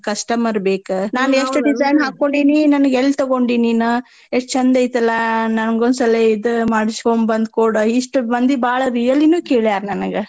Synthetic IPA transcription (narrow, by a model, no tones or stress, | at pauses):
kɐsʈɐmɐɾbeːkunaːneʂʈɖizɐjnɦaːkkːoɳɖiːninɐnuɡelːt̪ɐɡoɳɖininu | eʂt͡ʃɐnd̪ɐjit̪ɐlːɐnɐnɡond̪sɐleid̪umaːɽisfoːmbɐnd̪kuːɽɐiʂʈubɐnd̪ibaːɭɐɾijɐlːinuːkeːɭjaːɾnɐnɡe